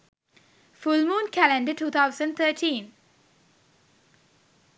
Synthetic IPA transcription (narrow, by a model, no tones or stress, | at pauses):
fʊlmũːnkʰælɛ̃ɳɖəʈuːt̪ʰaʊsə̃ɳɖ̚t̪ʰəːʈʰĩːn